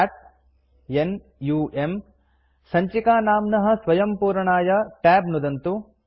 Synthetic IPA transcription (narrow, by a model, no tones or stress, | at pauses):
aːʈ̚ | en | juːem | sɐɲt͡ʃikaːnaːmnɐɦɐ̆sʋɐjɐmpuːɾɐɳaːjɐʈɛːbnud̪ɐnt̪u